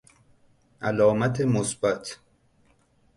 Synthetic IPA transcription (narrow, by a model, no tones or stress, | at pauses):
ʔælɒːmæt̪ʰemosbæt̪ʰ